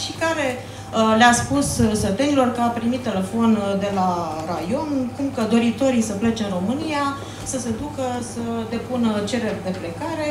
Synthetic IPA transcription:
ʃikaɾe̞ | leaspussət̪enilo̞rkəapɾimit̪ːe̞le̞fo̞nd̪e̞larajo̞nkumkəd̪o̞ɾit̪o̞ɾisəplet͡ʃeɨnro̞mɨnija | səse̞d̪ukəsəd̪e̞punət͡ʃe̞ɾe̞ɾd̪e̞ple̞kaɾe̞

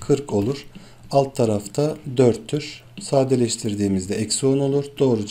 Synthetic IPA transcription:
kʰɯɾkʰo̞lˠuɾ̥ | alˠt̪ʰːaɾaft̪ʰad̪øɾt̪ʰːyɾ | saːd̪elʲɛʃt̪ʰiɾd̪iːmizd̪ɛɛcsono̞lˠuɾd̪o̞ːɾud͡ʒ

